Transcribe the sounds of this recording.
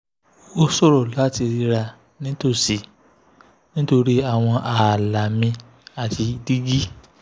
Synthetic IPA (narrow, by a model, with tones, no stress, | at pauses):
o˦sɔ˦˨ɾɔ˨la˨˦ti˧ɾi˧ɾa˧ | nĩ˦to˦˨si˨ | nĩ˦to˧ɾi˦a˦˨w̃ɔ̃˧ʔa˨la˨mĩ˧ | a˨ti˧di˦ɡi˦